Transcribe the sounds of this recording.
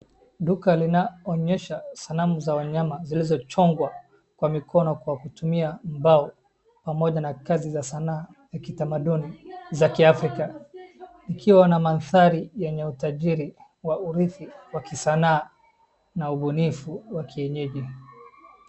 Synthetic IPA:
ɗukalinaɔɲɛʃasalamuzawaɲamazilizɔt͡ʃɔŋɡwa | kwamikʰɔnɔkwakutumiam̩baɔ | pamɔʄanakazizasanaː | jakitamaɗunizakiafɾika | nikʰiwanamanθaɾijɛɲɛutaʄiɾi | wauɾiθiwakisanaː | nauɓunifuwakiɛɲɛʄi

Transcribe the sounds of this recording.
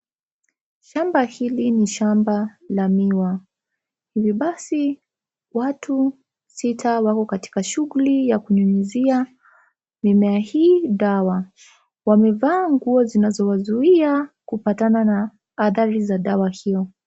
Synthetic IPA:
ʃambahiliniʃambalamiwa | hiviɓasi | watʰu | sitʰawakɔkati̥kaʃuɣulijakuɲuɲuzia | mimɛahiːɗawa | wamɛvaːŋɡuɔzinazɔwazuiakupatananaː | θaɾizaɗawahijɔ

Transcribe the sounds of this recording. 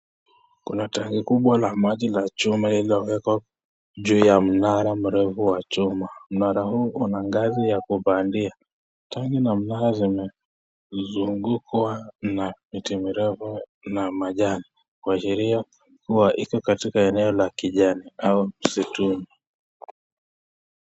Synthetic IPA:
kṵnataŋɡikuɓwalamaʄilat͡ʃumalilɔwɛkɔ | ʄuːjam̩naɾam̩ɾɛfuwat͡ʃumam̩naɾahuːʔunaŋɡazijakuvandia | taŋɡinam̩naɾazimɛ | zuŋɡukwanamitimiɾɛfu | namaʄani | kwaʃiɾia | kuwaʔikɔkatikaɛnɛɔlakiʄaniaum̩situmi

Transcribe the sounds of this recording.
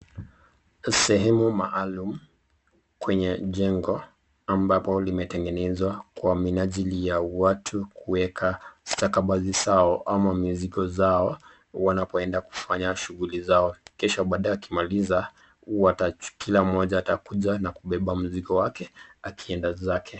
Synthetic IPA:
sɛɦɛmumaʔːlum̩ | kwɛɲɛʄɛŋɡɔ | ambapɔlimɛtɛŋɡɛnɛzwakwaminaʄilijawatʰukuwɛkʰastakaɓazisaɔʔamamiziɡɔzaɔ | wanapɔɛndaku̥faɲaʃuɣulizaɔkɛʃɔɓaːɗaɛaki̥maliza | watakilamɔʄaːtakuʄanakuɓɛɓam̩zikɔwakɛakʰiɛndazakʰɛ

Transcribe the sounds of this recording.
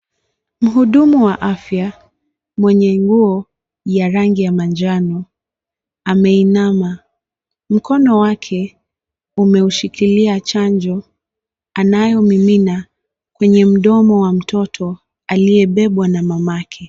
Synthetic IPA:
m̩ɦuɗumuwaʔafja | mwɛɲɛŋɡuɔ | jaɾaŋɡijamand͡ʒanɔ | amɛinama | m̩kɔnɔwakʰɛ | umɛuʃikiliat͡ʃaɲd͡ʒɔ | anajɔmimina | kwɛɲɛm̩ɗɔmɔwam̩tʰɔtʰɔ | alijɛɓɛɓwanamamakʰɛ

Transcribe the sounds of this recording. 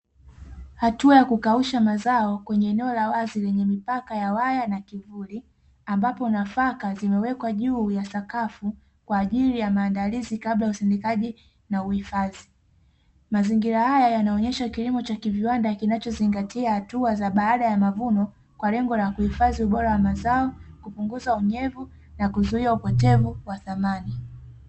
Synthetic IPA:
hatuajakukauʃamazaɔkwɛɲɛːnɛɔlawazilɛɲɛmipakajawajanakivuli | ambapɔnafakazimɛwɛkwaʄuːjasakafu | kwaːʄilijamaːndalizikaɓlajausindɛkaʄi | nauhifazi | maziŋɡiɾahajajanaɔɲɛʃakilimɔt͡ʃakiviwandakinat͡ʃɔziŋɡatiahatuazaɓaːɗajamavunɔ | kwalɛŋɡɔlakuhifaziuɓɔɾawamazaɔkupuŋɡuzauɲɛvu | nakuzuiaupɔtɛvuwaθamani

